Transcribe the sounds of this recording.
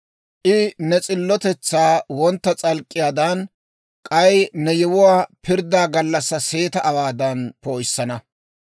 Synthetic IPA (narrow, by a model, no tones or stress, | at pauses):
ʔɪnɛt͡sʼɪlːɔt̪ɛt͡sːaːwɔnt̪ːɐt͡sʼɐlkʼːɪjaːd̪ɐn | kʼɐjnɛjɛwʊwaːpɪɾd̪aːɡɐlːɐsːɐse̞ːt̪ɐʔːwaːd̪ɐnpoːjsːɐnɐ